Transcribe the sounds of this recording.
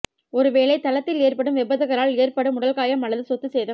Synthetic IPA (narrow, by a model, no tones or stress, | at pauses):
ɔɾɯʋeːɭɐɪt̪ɐlɐt̪ːɪleːrpɐɽɯmʋɛbɐðɐɣɐɾaːleːɾpɐɽɯmʊɽɐlkaːjɐmɐɭɐðɯsɔt̪ːɯsɛjðɐ